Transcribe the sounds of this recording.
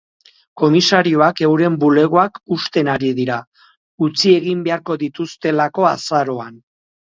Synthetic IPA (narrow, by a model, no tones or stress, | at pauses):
ko̞misaɾio̞ake̞wɾe̞mbule̞ɣ̞o̞akust̪e̞naɾiðiɾa | ut͡sie̞ɣimbe̞aɾko̞ðit̪ust̪e̞lako̞a̰saɾo̞an